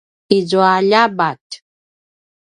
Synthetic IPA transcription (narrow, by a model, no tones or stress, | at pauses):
izuaʎabat̪